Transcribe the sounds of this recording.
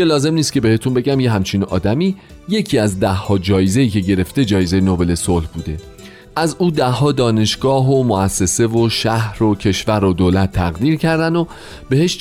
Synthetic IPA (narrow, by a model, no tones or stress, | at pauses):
elɒːze̞mniːst̪kʲcʰe̞be̞he̞t̪ʰunbe̞ɟæmje̞ɦæmt͡ʃʰiːnɒ̰ːd̪æmiː | je̞cʰiːæzd̪æhːɒːd͡ʒɒːjeze̞iːcʰe̞ɟe̞ɾe̞ft̪e̞d͡ʒɒːjeze̞jenobe̞le̞solhbuːd̪e̞ | ʔæzuːd̪æhːɒːd̪ɒːne̞ʃɡ̥ɒːɦomoæsːe̞se̞voʃæhɾo̞cʰe̞ʃvæɾod̪oːlæt̪ʰːæɣd̪iːɾcʰæɾd̪ænd̪o | b̥e̞he̞ʃ